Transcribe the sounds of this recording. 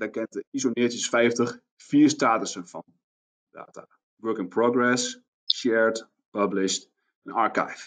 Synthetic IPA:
dakɛntəisonɪːtəsfɛjftəχ | fiːəɹstaːtəsənfɔ̰n | da̰ːta̰ | ʋɜːkɪ̃ŋproɡɹɛs | ʃɛɹt | pablɪʃt | ɛnɑɹka̰jf

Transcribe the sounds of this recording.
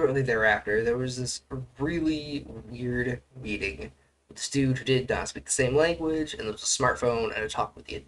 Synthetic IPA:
ɨ̃nʔliðə˞æftə˞ðə˞wʌzðɪsɹɪlˠiwɪɹdɹiɾɪ̃ŋ | ɨ̥sdʉhʉdɪd̚ⁿnɑ̰̃nspik̚ðə̥sẽɪ̃mlæ̃ŋɡwɪd͡ʒɨ̃nðə˞wʌzəsmɑɹtfõʊ̃nʔɨ̰̃nɨɪtʰɔ̰k̚wɨðiɨ̰

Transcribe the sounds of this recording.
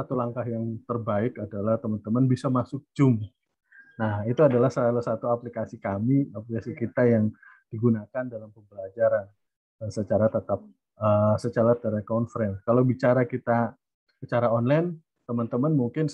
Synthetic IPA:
at̪ulaŋkaɦjaŋt̪ərbaɪkadalaht̪əmənt̪əmanbisamasʊk̚d͡ʒʊm | nahit̪uadalahsəlalusat̪uaplikasikamiaplikasikit̪ajaŋ | d̥iɡunakandalampəmbəlad͡ʒaɾan | əsət͡ʃaɾat̪ət̪ap̚ | əsət͡ʃaɾat̪əɾɛkɔnfɾɛnkalawbit͡ʃaɾakit̪a | sət͡ʃaɾaɔnlan | t̪əmənt̪əmanmuŋkɪn

